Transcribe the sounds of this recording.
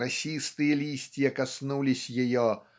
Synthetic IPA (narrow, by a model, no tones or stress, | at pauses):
ɐsʲist̪ɨjəlʲisʲtʲɪjəkɐsnulʲɪsʲjɪjo